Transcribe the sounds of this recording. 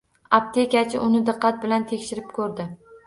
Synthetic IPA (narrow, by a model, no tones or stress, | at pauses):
ap̚t̪ʰekʲat͡ʃʰɪʔʊnɪd̪ɨqːɑt̪̚bɪlant̪ʰekʲʃɪɾɪp̚kʰɵɾd̪ɪ